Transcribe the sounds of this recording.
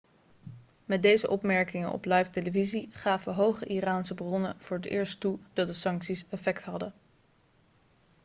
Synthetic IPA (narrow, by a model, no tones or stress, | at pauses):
mɛdejzəʔɔpmɛɹkɪŋənɔ̰plɑjfteləviziχaːvəɦowχəʔiraːnsəbrɔnəv̥ʊːɹətɪ̰ːɹstud̥ɑt̚dəsɑŋksisɛfɛktɦɑdə